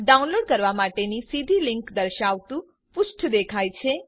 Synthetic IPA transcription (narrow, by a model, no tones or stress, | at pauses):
ɖaunloɖkəɾʋamaʈenisid̪ʱilɪŋkd̪əɾʃaʋt̪ũ | pʊʃʈʰd̪ekʰajt͡ʃʰe